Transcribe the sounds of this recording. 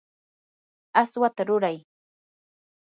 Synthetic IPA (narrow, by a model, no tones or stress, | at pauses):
aswat̪aɾʊɾaj